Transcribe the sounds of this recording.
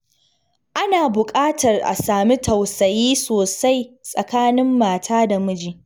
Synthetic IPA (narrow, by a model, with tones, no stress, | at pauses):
ʔa˦naː˨bʊ˨kʼaː˦tʰɐ˨rʔa̰˨saː˨mi˦tʰɐ˨wsɐ˨jiː˦soː˨sa˦jsʼɐ̰˨kaː˦nɪ˦mːaː˨tʰaː˦da˨mʊ˦d͡ʒiː˨